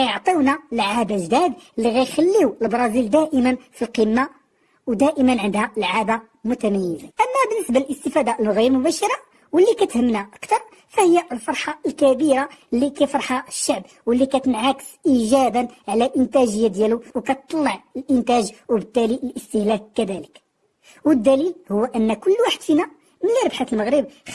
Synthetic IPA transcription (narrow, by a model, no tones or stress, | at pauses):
kæjəʕt̪ˤiwnalʕab̪ʒd̪id̪əlːiɣæjxælːiwəlbɾˤɑzild̪æʔəmənfilqimːa | wd̪æʔəmənʕənd̪hæəlʕaba | mʊt̪æmæjːəzaʔəmːæbənːəsbaləlʔəst̪əfæd̪aʔlɣiɾmʊbæʃɑɾˤɑ | wəlːikæt̪həmːnaʔəkt̪ɑɾˤ | fæhəjːaʔəlfɑɾˤħɑəlkæbiɾalːikæjfɑɾˤħaəʃːaʕb̚ | wəlːikæt̪ənʕakə̥sʔiʒæbənʕlælʔənt̪æʒəjːad̪jæluwkæt̪t̪ˤːɑlːəʕəlʔənt̪æʒwəbət̪ːæliʔəlʔəst̪əhlækːæd̪ælək | wəd̪ːælilhʊwːʔənːækʊlːwaħəd̪̥finæ | mələɾˤəbħat̪əlməɣɾəb̚